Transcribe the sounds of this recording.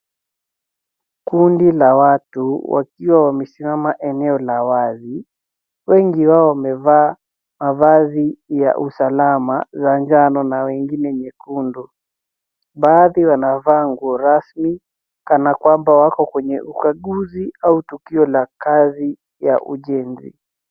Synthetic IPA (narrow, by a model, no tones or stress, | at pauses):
kundilawatuwa̰kiwawamɛsimamaʔɛnɛɔlawazi | wɛŋɡiwaɔwamɛvaː | mavazija̰ʔusalamazaɲd͡ʒanɔnawɛŋɡinɛɲɛkundu | ɓaːðiwanavaŋɡuɔɾasmi | kanakwambawakɔkwɛɲɛʔukaɠuziautukiɔlakazi | jaʔṵʄɛnzḭ